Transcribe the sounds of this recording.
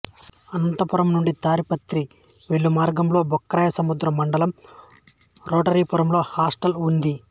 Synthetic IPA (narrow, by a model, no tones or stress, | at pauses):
ɐnɐnt̪ɐpuɾɐmnuɳɖit̪aːɾipɐt̪ɾi | ʋeɭːumaːɾɡɐmlo̞ːbɔkːɾaːjɐsɐmud̪ɾɐmːɐɳɖɐlɐm | ɾoːʈɐɾiːpuɾɐmlo̞ːhaːsʈɐlund̪i